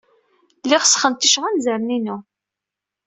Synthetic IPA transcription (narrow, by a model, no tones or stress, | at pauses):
lːɪʁsχənt̪iʃʁanzəɾəninu